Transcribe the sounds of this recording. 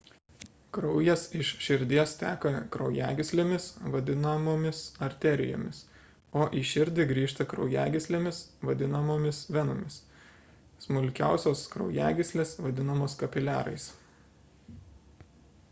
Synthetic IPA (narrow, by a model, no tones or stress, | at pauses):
kɾɒʊjɛsɪʃʃʲɪɾʲd̪ʲiɛst̪ʲæːkɐkɾɐʊjæːɡʲɪsʲlʲemʲɪsʋɐd̪ʲɪnɐmoːmʲɪsɐɾʲt̪ʲɛɾʲɪ̰jo̰ːmʲɪs | oːʔiːʃʲɪɾʲd̪ʲɪɡɾʲiːʃt̪ɐkɾɒʊjæːɡʲɪsʲlʲeːmʲɪsʋɐd̪ʲɪnɐmoːmʲɪsʋʲɛnomʲɪs | smʊlʲkʲæˑʊsʲoːskɾɒʊjæːɡʲɪsʲlʲeːsʋɐd̪ʲɪnɐmoːskɐpʲɪlʲæ̰ːɾɐ̰ɪs